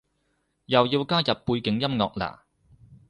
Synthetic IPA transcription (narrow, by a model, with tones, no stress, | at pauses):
jɐ˨wjiː˧wkaː˥jɐ˨p̚ːuː˧jkɪ˨˥ŋjɐ˥mŋɔ̰ː˨k̚la̰ː˨˩